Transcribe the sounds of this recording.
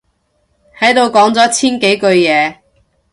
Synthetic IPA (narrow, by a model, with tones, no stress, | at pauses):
hɐ˨˥jt̪o˨˧wkɔː˨˥ŋt͡sɔː˨˥t͡sʰiː˥nke˨˥jkɵ˧ɥjɛː˨˧